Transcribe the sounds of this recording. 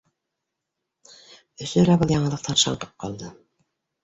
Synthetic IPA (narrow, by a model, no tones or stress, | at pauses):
ɵsɵlæbɤlˠjɑɴɤlˠɤq̚t̪ʰɑnʃɑ̰ɴqɤ̥p̚qʰɑ̰lˠd̪ɤ